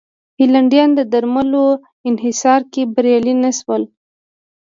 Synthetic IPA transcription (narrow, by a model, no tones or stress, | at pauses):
hilaɳɖjɑnd̪əd̪aɾmalo | ɪnɦɪsɑɾkebaɾjɑlinaʃwəl